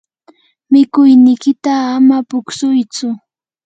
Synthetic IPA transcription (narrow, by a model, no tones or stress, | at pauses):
mɪkʊjnɪkɪt̪aːmapʊksʊjt͡sʊ